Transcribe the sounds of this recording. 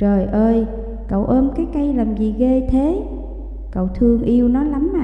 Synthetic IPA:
t͡ɕəː˨˩jʔəː˧j | kə̰˧˨wʔəː˧mkaː˨˦jka˧jlaː˨˩mzi˨˩ɣe˧t̪ʰe˨˦ | kə̰˧˨wt̪ʰɨ˧əŋʔi˧əwnɔ˨˦la˨˦mʔaː˨

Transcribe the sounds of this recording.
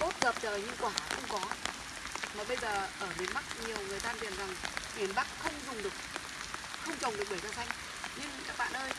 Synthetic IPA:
ʔo˦˥t̚ɣəː˨˩p̚zəː˨˩jɲi˧ŋkwaː˧˩xʊ̰˧wŋ͡mkɔ˨˦ | maː˨˩ɓə˧jzəː˨˩ʔəː˧˩ɓe˨˦nma˦˥t̚ɲi˨˩əwŋɨ˨˩əjt̪ʰaː˧t̪ḭ˨˩ənza˨˩ŋɓi˧˩˦ənɓa̰˧˥ŋ̚xə˧wŋ͡mzʊ˨˩ŋ͡mɗɨ˨˩ək̚ | xə˧wŋ͡mt͡ɕə˨˩wŋ͡mɗɨ˨˩k̚ɓə˧˩zaː˧sa˧jŋ | ɲɨ˧ŋkaː˦˥k̚ɓa̰ː˧˨nʔəː˧j

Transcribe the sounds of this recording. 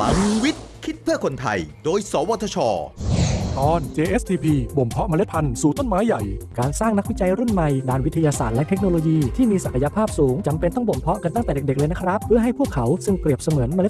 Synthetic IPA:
la̰˨˩˦ŋwi˦˥t̪̚kʰi˦˥t̪̚pʰɯ˥˩əkʰo˧nt̪ʰa̰˧jdoː˧jsɔː˩˦wa˧t̪ʰːa˧t͡ɕʰɔ̰ː˧ | t̪ʰɔː˧nt͡ɕeː˧ʔeː˦˥st̪ʰiː˧pʰiː˧bo˨˩mpʰɔ˦˥ʔma˧le˦t̪̚pʰa˧nsuː˨˩t̪o˥˩nmaː˦˥jːa̰˨˩jkaː˧nsaː˥˩ŋna˥k̚wi˦˥t͡ɕa˧jɾu˥˩nma˨˩jdaː˧nwi˦˥t̪ʰa˧jaː˧saː˨˩t̪̚lɛ˦˥ʔt̪ʰe˦˥k̚noː˧loː˧jiː˧t̪ʰiː˥˩miː˧sa˨˩kʰa˧ja˧pʰaː˥˩p̚suː˩˦ŋt͡ɕa˧mpe˧nt̪ɔ˥˩ŋbo˨˩mpʰɔ˦˥ʔka˧nt̪a˥˩ŋt̪ɛː˨˩de˨˩de˨˩klɤː˧na˦˥kʰɾa˦˥pʰːɯ˥˩ɐɦa˥˩jpʰu˥˩əkʰːa˩˦wsɯ˥˩ŋkli˨˩əp̚sa˧mɯː˩˦ənma˧le˦˥t̪̚

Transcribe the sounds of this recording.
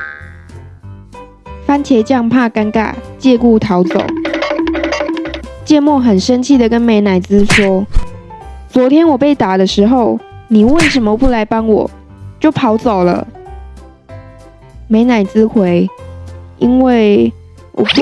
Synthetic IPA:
fa˥nt͡ɕʰjɛ˧˥ɪt͡ɕjɑ˥˧ŋpʰa˥˧ka˥nka̰˥˩t͡ɕjɛ˥˧ku˥˩t̪ʰɑ˨˥˦ʊt͡so̰˨˩ʊ | t͡ɕjɛ˥˧mwɔ˥˩xə˨˩nʂə˦˥nt͡ɕʰi˥˩d̪ə˩kə˦nme˧˥ɪna˨˩ɪt͡sɹ̩˦ʂwɔ˥ | t͡swɔ˧˥t̪ʰjɛ˥nwɔ˨˩pe˥˩ɪt̪a˨˩d̪ə˦ʂɻ̩˧˥xo˥˨ʊni˨˩we˥˩ɪʂə˧˥˦mə˨pu˥˩la˧˦ɪpɑ˥ŋwɔ̰˨˩ | t͡ɕjo˥˩ʊpʰɑ˧˥ʊt͡so˨˩ʊlə̰˦ | me˧˥ɪna˨˩ɪt͡sɹ̩˥xwe˧˥ɪ | ʔi˥nwe˥˩ɪ | wɔ̰˨˩

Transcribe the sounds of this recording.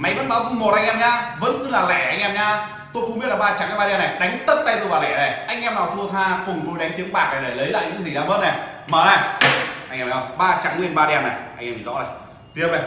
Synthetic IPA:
ma˨˦jvə̰˧˥nɓaː˨˦wzu˧˩mo˨˩t̚ʔa˧jŋ̟ʔɛː˧mɲaː˧və̰˧˥nk̪ɨ˧laː˨˩lɛ̰˧˨˩ʔa˧jŋʔɛ˧mɲaː˧ | t̪o˧jxʊ˧ŋ͡mɓi˦˥t̚laː˨˩ɓaː˧t͡ɕa˨˩ŋkːma˧aː˧nːa˨˩jɗa˨˦jŋ̟t̪ə˦˥t̚t̪a˧jt̪o˧jvaː˨˩lɛ̰˧˨na˨˩ʔa˧jŋ̟ʔɛ˧mnaː˨˩wt̪ʰt̪ʰaː˧kʊ˨˩ŋ͡mt̪o˧jɗa˨˦ŋ̟t̪i˨˦əŋɓaː˨˩k̚na˨˩ɗe˨˧˩lə˨˦jla̰ː˧˨jɲɨ̰˧˥ŋt̪ʰi˨˩zaː˧vəː˦˥t̚na˨˩ | məː˨˩na˨˩ʔa˧jŋʔɛː˧ɲaː˧˩ɓaː˧t͡ɕa˨˩˦ŋli˧nɓaː˧ɗi˧aː˧nːa˨˩jʔa˧jŋʔɛː˧mi˨˩˨zɔ̰˧˥na˨˩ | t̪i˧əpe˨˩

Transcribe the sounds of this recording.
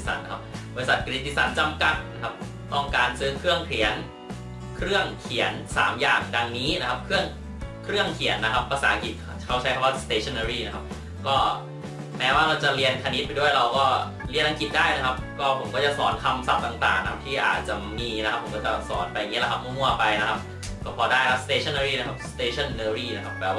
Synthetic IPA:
sa̰˨˩˦nːa˦˧kʰa˦˥p̚bɔ˧ɾi˧sa˨˩t̪̚kɾi˦˥t̪̚ːi˧˥˩sa˩˦nt͡ɕa˧mka˨˩t̪̚na˦˥kʰa˦˥p̚ | t̪ɔ˥˩ŋkaː˧nsɯː˦˥kʰɾɯ˥˩əŋkʰli˨˩˦ən | kʰɾɯ˥˩əŋkʰi˩˦ənsa̰ː˩˦mjaː˨˩ŋda˧ŋniː˦˥na˦˥kʰa˦˥p̚kʰɯ˥˩əŋ | kʰɾɯ˥˩əŋkʰi˨˩˦ənːa˦˥kʰa˦˥pːa˧saː˩˦ʔa˧ki˨˩t̪̚ | kʰa˥˩wt͡ɕʰa˦˥jkʰa˥˩waː˥˩st̪eː˧˩t͡ɕʰɔ˧˥˩naː˧ɾiː˥˩na˦˥kʰa˦˥p̚ | kɔː˥˩ | mɛː˦˥waː˥˩ɾa˧wt͡ɕa˨˩ɾi˧ənkʰa˧ni˦˥t̪̚pa˧jdu˥˩əjɾa˧wkɔː˥˩ | li˧ənʔa˧ŋki˨˩t̪̚daː˥˩jna˦˥kʰa˦˥p̚kɔː˥˩pʰo˩˦mkɔː˥˩t͡ɕa˨˩sɔː˩˦nt̪ʰa˧msa˨˩p̚t̪a˨˩ŋt̪a̰ː˨˩ŋa˦kʰa˦˥p̚t̪ʰiː˥˩ʔa̰ː˨˩t̪̚t͡ɕa˨˩miː˧na˦˥kʰa˦pʰo˩˦kɔː˥˩t͡ɕa˨˩sɔ̰ː˩˦npa˧ja˨˩ŋiː˦˥la˧˩a˦˥p̚mɯ˥˩˨mu˥˩ɐpa˧jna˦˥kʰa˦˥p̚ | kɔː˥˩pʰɔː˧daː˥˩jkʰa˦˧˥st̪eː˧t͡ɕʰa˥˩nɤː˧ɾiː˥˩na˦˥kʰa˦˥p̚st̪eː˧t͡ɕʰa˥˩nːɤː˧ɾiː˥˩na˦˥kʰa˦˥p̚ːɛː˧˩wa˥˩

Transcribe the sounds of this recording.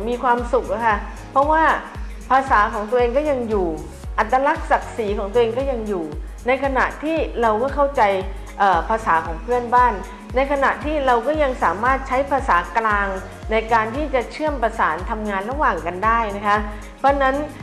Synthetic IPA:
miː˧kʰwaː˧msu˨˩k̚ʔa˧˦kʰa˥˩ | pʰɔ˦˥waː˥˩ | pʰaː˧saː˩˦kʰɔː˩˦ŋt̪u˧ʔeː˧ŋkɔː˥˩ja˧ŋjuː˨˩ | ʔa˨˩t̪ːɾa˧la˦˥k̚sa˨˩k̚siː˩˦kʰɔː˨˩˦ŋt̪u˧ʔeː˧ŋkɔː˥˩ja˧ŋjuː˨˩ | na˧jkʰa˧na˨˩ʔt̪ʰiː˥˩ɾa˧wkɔː˥˩kʰa˥˩wt͡ɕa˧j | ʔɤː˨˩pʰaː˧saː˩˦kʰɔː˩˦ŋpʰɯ˥˩ənbaː˥˩nː | a˧jkʰa˧na˨˩ʔt̪ʰiː˥˩ɾa˧wkɔː˥˩ja˧ŋsaː˩˦maː˥˩t̪̚t͡ɕʰa˦˥jpʰaː˧saː˩˦klaː˧ŋ | na˧jkaː˧nt̪ʰiː˥˩t͡ɕa˨˩t͡ɕʰɯ˥˩əmpɾa˧saː˩˦nt̪ʰa˧mŋaː˧nɾa˧waː˨˩ŋka˧ndaː˥˩jna˦˥kʰa˦˥ | pʰɾɔ˦˥na˦˥n

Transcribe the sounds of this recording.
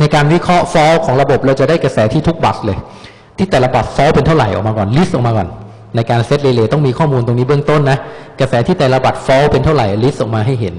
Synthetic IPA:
na˧jkaː˧nwi˦˥kʰɾɔ˦˥ʔfɔː˦˥wkʰɔː˩˦ŋɾa˧bo˨˩p̚ɾɛ˧wt͡ɕa˨˩daː˥˩jka˧sɛː˩˦t̪ʰiː˥˩t̪ʰk̚ba˨˩slɤː˧j | t̪ʰiː˥˩t̪ɛː˨˩la˧ba˨˩t̪̚fɔ˦˥wpe˧nt̪ʰa˥˩wɾa˨˩jʔɔ̰˨˩k̚maː˧kɔː˨˩nli˦˥sʔɔː˨˩kmaː˧kɔː˨˩nː | a˧jkaː˧nse˦˥t̪̚leː˧leː˧t̪ɔ˥˩ŋmiː˧kʰɔː˥˩muː˧nt̪o˧ŋniː˦˥bɯ˥˩ŋt̪o˥˩nːa˦˥ka˧sɛː˩˦t̪ʰiː˥˩t̪ɛː˨˩la˧ba˨˩t̪̚fɔː˦˥wpe˧nt̪ʰa˥˩wɾa˨˩jli˦˥sʔɔː˨˩k̚maː˧ɦa˥˩jɦe˩˦n

